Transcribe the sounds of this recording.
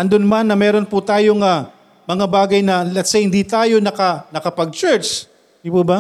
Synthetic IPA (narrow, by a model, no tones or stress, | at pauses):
ʔɐnd̪ʊnmanːɐmɛːɾo̞npʊt̪aːjoŋa | mɐŋabaːɡɐjnɐlɛt̪sɛjhɪnd̪it̪aːjo̞nɐkɐnɐkɐpɐɡ̚t͡ʃɛɹt͡ʃ̪ | ipuba